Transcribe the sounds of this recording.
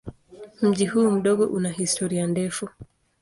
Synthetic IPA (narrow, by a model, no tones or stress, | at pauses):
m̩ʄihuːm̩ɗɔɠɔʔunaɦistʰɔɾiandɛfu